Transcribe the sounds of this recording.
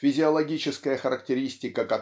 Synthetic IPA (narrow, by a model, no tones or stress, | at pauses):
fʲɪzʲɪɐlˠɐɡʲit͡ɕɪskəjəxəɾək̚tʲɪɾʲisʲtʲɪkəkɐt̪